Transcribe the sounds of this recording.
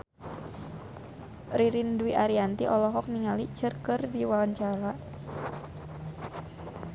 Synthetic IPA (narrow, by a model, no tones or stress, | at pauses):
riɾinduiʔaɾiant̪iʔɔlɔɦɔk̚niŋalit͡ʃərkɨrdiwawaɲt͡ʃaɾa